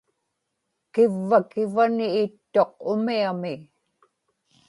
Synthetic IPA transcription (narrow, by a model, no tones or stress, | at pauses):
kɪvːakɪvaniːt̪ːo̞q̚ʊmiamɪ